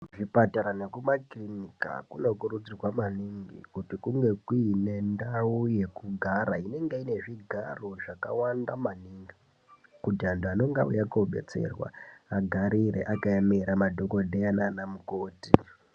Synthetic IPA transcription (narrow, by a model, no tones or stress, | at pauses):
ʐipataɾane̞kumakrinika̰kuno̞kuɾud͡zirwamaniŋɡḭkutikuŋɡe̞kuːne̞ndauje̞kuɡʱaɾaine̞ŋɡeine̞ʐiɡʱaro̞ʐaka̰wandamaniŋɡi | kutiandano̞ŋɡaṵjakouɓe̞̰t͡se̞̰rwa̰aɡʱaɾiɾḛʔakajameɾamadʱo̞ko̞dʱeananamukoːti